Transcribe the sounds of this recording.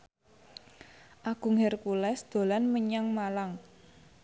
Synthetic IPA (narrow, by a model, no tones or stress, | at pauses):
ʔaɡ̥ṳŋɦerkulɛsd̪̥o̤lanməɲaŋmalaŋ